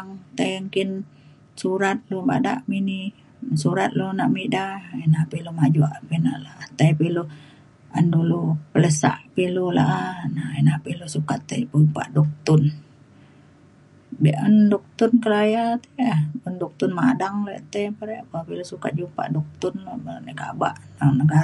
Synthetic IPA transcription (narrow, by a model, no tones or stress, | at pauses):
aŋt̪əjŋkin | suɾat̪̚luba̰da̰ʔmini | suɾat̪̚lunaʔmidainapilumad͡ʒuaʔpina̰ʔlaʔat̪ajpilu | andulupələsa̰ʔpilula̰ʔanainapilusukat̪ːə̰jpumpa̰ʔdɔk̚t̪ʊn | beʔəndɔk̚t̪ʊnkəlajat̪eapundɔk̚t̪ʊnmadaŋleʔt̪epəɾeʔpapilusukat̪̚d͡ʒupa̰ʔdɔk̚t̪ʊnloəneka̰ba̰ʔnanəɡa